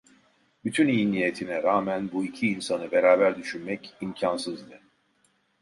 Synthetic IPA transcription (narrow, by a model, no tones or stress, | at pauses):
byt̪ʰynijnijet̪ʰinɛɾaːmænbuicʰiːnsanɯbe̞ɾaːbæɾd̪yʃynmɛcimcʰansɯzd̪ɯ